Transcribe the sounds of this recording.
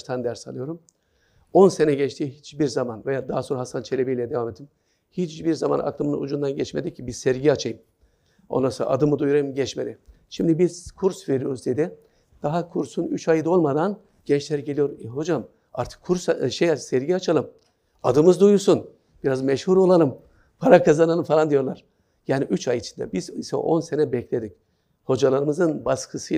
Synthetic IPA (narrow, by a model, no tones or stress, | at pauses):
t̪ʰand̪æɾsalˠɯjo̞ɾum | o̞nse̞nɛɟɛt͡ʃt̪ʰiːɦit͡ʃbiɾzamanvejaːd̪aɦasoɾaɦasant͡ʃʰe̞lʲebejilʲɛd̪evamet̪ʰːim | hit͡ʃbiɾzama̰nʔa̰klˠɯmɯnṵd͡ʒund̪anɟɛt͡ʃmed̪icʰːibizsɛɾɟiat͡ʃʰajɯm | o̞̰nˠasɯlˠa̰ʔa̰d̪ɯmɯd̪ujuɾajɯmɟɛt͡ʃmed̪ɪʃimd̪ibiz̥kʰuɾsveɾijo̞ɾuzd̪ed̪ɪ | d̪̥aɦakʰuɾsunyt͡ʃajɯd̪o̞lˠmad̪an | ɟ̥ɛnt͡ʃlʲeɾiɟe̞lʲijo̞ɾɦo̞d͡ʒam | a̰ɾt̪ʰɯ̥kʰːuɾsʃejasɛɾɟiat͡ʃʰalˠɯm | ad̪ɯmɯzd̪ujuɾsun | b̥iɾazmɛʃhuɾo̞lˠalˠɯm | pʰaɾakʰazanalˠɯmfalˠand̪ijo̞ɾlˠaɾ̥ | jaːniʔyt͡ʃajit͡ʃʰi̥nd̪ɛ̰bizisɛ̰ʔo̞̰nse̞nɛbɛclʲe̞d̪ic̚ | ho̞d͡ʒalˠaɾɯmɯzɯnbaskʰɯsɯ